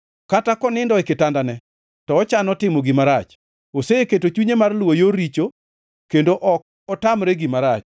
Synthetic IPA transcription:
katakɔnɪndɔɛkɪtandanɛ | tɔːt͡ʃanɔtɪmoɡimaɾat͡ʃ | oseeketot͡ʃuɲemarlwojoɾit͡ʃo | kendoʔɔk̚ | ɔtamɾeɡimaɾat͡ʃ

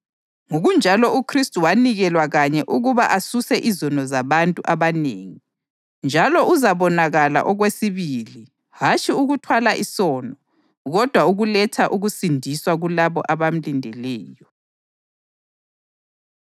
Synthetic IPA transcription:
ŋoɣund͡ʒʱalɔukʰristʼuwaniɣɛlwaɣaɲɛʔuɣuβaʔasusɛʔizɔnɔzaβantʼuʔaβaneːŋi | nd͡ʒʱalɔʔuzaβɔnaɣala̰ʔɔɣwesiβiːli | hat͡ʃʼiuɣutʰwalaʔisɔːnɔ | ɣɔd̥ʱwauɣulɛtʰaʔuɣusindʱiswaɣulaβɔ̰ʔaβam̩lindʱɛlɛːjɔ

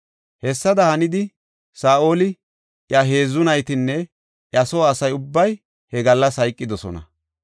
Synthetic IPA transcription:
hɛsːɐd̪ɐhɐnɪd̪ɪ | saːʔo̞ːlɪ | ʔjɐɦe̞ːzːʊnɐjt̪ɪnːɛ | ʔjɐsoɐsɐjʊbːɐj | hɛɡɐlːɐsɐjkʼːɪd̪ɔsɔ̰nɐ̰

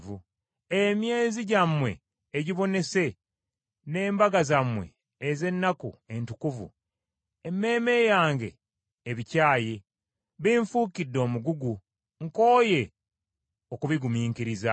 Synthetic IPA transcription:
vu | emje̞ːziɟamːwe̞̰ː | ɟiβo̞ne̞se̞ | ne̞ːmbaɡazamwe̞̰ː | ze̞nːakṵe̞ntukuvṵ | e̞mːe̞ːme̞jaːŋɡe̞̰ː | βicaːje | βiɱfuːkidːo̞ːmuɡuɡu | ŋko̞ːje̞ | o̞kuβiɡumiːŋkiɾiza

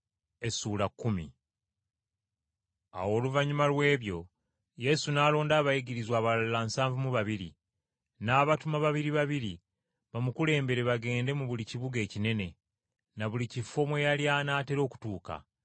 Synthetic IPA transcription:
e̞suːlakːumḭ | a̰wo̞ːluvaɲumalwe̞ːβjo̞ | je̞sunaːlo̞ːndaːβajiɡiɾizwaːβalallansaːɱvumuβaβiɾḭ | naːβatumaβaβiɾiβaβiɾi | βamukule̞ːmbe̞ɾe̞βaɡe̞ːnde̞muβuliciβuɡe̞ːcine̞ne̞ | naβulicifo̞mwejaljanaːte̞ɾo̞ːku̥tuːka̰

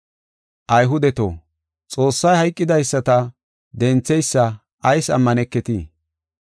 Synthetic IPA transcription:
ʔɐjɦʊd̪ɛt̪o̰ː | t͡sʼo̞ːsːɐjhɐjkʼːɪd̪ɐjsːɐt̪ɐ | d̪ɛnt͡sːɛjsːɐ | ʔɐjsɐ̰mːɐnɛkːɛt̪ḭː

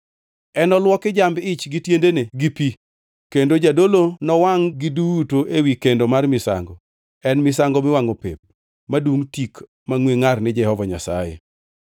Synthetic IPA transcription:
ɛnɔlwɔkɪd͡ʒambɪt͡ʃɡɪtjendeneɡipi | kendod͡ʒadolonɔwaŋɡɪduwutoʔewikendomarmɪsa̰ŋɡɔ | ɛnmɪsaŋɡɔmɪwaŋopḛp̚ | maduŋtik | maŋweŋarnɪd͡ʒɛhɔvɔɲa̰sa̰jḛ

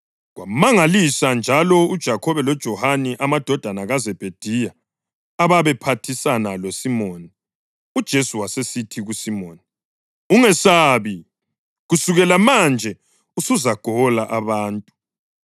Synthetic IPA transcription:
ɣwamaŋalisand͡ʒʱalɔud̥ʒ̥ʱakʰɔβɛlɔd̥ʒ̥ʱɔhaniʔamad̥ʱɔd̥ʱanaɣazɛb̥ʱed̥ʱijaː | βaβɛpʰatʰisanalosimoni | ud̥ʒ̥ʱesuwasesitʰiɣusimoːni | uŋɛsaːβi | ɣusuɣɛlamand͡ʒʱɛ | usuzaɡ̥ʱɔlaʔaβaːntʼu

